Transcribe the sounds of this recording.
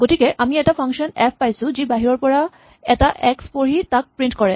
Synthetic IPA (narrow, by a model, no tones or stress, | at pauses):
ɡotikɛʔamiɛtapʰaŋkʃɔnɛpʰpajsũzibaɦiɹɔɹpɔɹa | ɛtaʔɛkspoɹit̪ak̚pɹintkɔɹɛ